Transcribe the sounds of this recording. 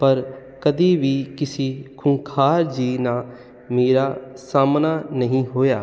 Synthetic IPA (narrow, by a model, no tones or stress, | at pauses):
pəɾ | kəd̪iːʋiːkɪsiːkʰʊŋkʰaːɾd͡ʒiːnaː | meːɾaːsaːmnaːnəɦĩːɦoːjaː